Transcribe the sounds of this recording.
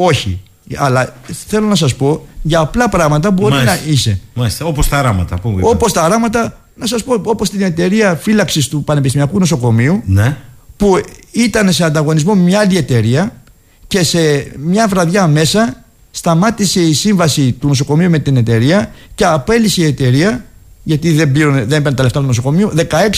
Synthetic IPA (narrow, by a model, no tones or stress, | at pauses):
o̞çḭ | ɐlɐθe̞lo̞nɐs̬ɐspo̞ʝɐːplɐpɾɐɣmɐt̪ɐbo̞ɾinɐise̞mɐsopost̪ɐɾɐmɐt̪ɐ̰puopo̞st̪ɐɾɐmɐt̪ɐ | nɐsɐspo̞o̞po̞st̪ine̞t̪e̞ɾiɐfilɐksist̪upɐne̞pist̪imiɐkuno̞so̞ko̞miunepuit̪ɐne̞seɐnd̪ɐɣo̞nizmo̞mɲɐlie̞t̪e̞ɾiɐ | ce̞se̞mɲɐvɾɐðʝɐme̞sɐ | st̪ɐmɐt̪ise̞isiɱvɐsit̪uno̞so̞ko̞miume̞t̪ine̞t̪e̞ɾiɐce̞ɐpe̞liseie̞t̪e̞ɾiɐ | ʝɐt̪iðe̞mbiɾoneðenpeɾnt̪eleft̪ɐt̪unoso̞ko̞miuðe̞kɐe̞ks